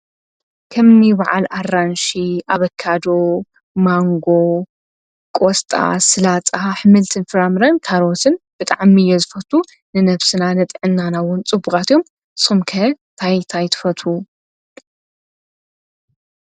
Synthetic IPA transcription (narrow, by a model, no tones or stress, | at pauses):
kʰɐmːiβaʕa̰laranʃiʔaβɐkʰːad̪o | maŋɡo | kʼost̪ʼa̰sɨlat͡sʼaħɨmɨlt̪ʰɨnfɨɾamɾɐnkʰaɾot̪ʰɨnb̥ɨt̪ʼaʕmijːɛzɨfɐt̪ʰu | nɨnɐβsɨnanɐt̪ʼʕɨnːanawʊnt͡sʼɨbukʼat̪jo̞m | ɨsumkʰɐ | t̪ʰajt̪ʰajt̪ʰɨ̥fɐt̪ʰu